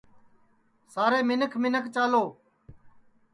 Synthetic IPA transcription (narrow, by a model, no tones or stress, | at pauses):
saːɾeːmɪnəkʰmɪnəkʰt͡ʃaːloː